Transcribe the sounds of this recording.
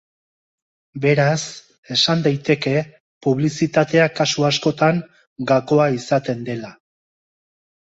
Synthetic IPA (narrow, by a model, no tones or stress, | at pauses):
be̞ɾas | e̞sand̪ajt̪e̞ke̞ | puβ̞lisit̪at̪e̞akasuasko̞t̪aŋ | ɡako̞aisat̪e̞nd̪e̞la